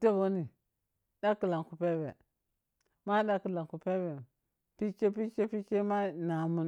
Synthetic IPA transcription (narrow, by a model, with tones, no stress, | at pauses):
ta˦bo˦ni˨ | ɗa˦ki˨la˨ŋku˨pe˦be˨ | ma˦ɗa˦ki˨la˨ŋku˨pe˦be˨ | pi˦t͡ʃe˦pi˦t͡ʃe˦pi˦t͡ʃe˦ma˦na˨mu˨n